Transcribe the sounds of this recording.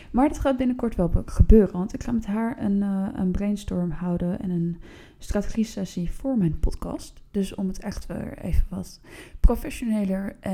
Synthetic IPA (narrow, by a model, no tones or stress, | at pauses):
maːɹdɑtχaːd̚bɪnəkɔɹtʋɛlˠχəbøːrənʋɑntɪkχaːmɛtɦaːɹə̰nə̰nbrejnstɔɹmɦʌwdənɛ̰nən | straːte̥χisɛsiv̥ʊːɹmɛjnpɔtkɑ̰std̥ɵsɔmətɛχtʋɛ̰ḛjvənʋɑtprofɛʃonejləɹʔɛ